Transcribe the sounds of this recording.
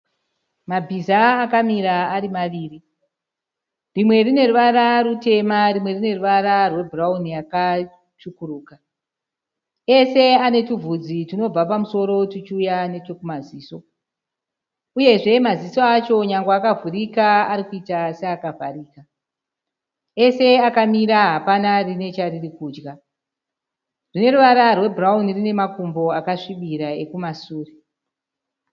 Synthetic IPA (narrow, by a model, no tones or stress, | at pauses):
mabʱizaːkamiɾaaɾimaʋiːri | rimwe̞rine̞ruʋaɾaɾute̞marimwe̞rine̞ruʋaɾarwe̞bʱuraunijaka | t͡ʃukuruːka | e̞se̞ane̞tuvʱud͡zitino̞b͡vapamuso̞ɾo̞tit͡ʃiujanet͡ʃokumaziːso̞ | uje̞ʐe̞maziso̞at͡ʃo̞ɲaŋɡaakavurikaaɾikuitaseakavʱa̰riːka | e̞se̞akamiɾaɦapanarine̞t͡ʃaririkuːd͡ʒɡa | rine̞ruʋaɾarwe̞braunirine̞makumbo̞akaʂiɓiɾaekumasuːre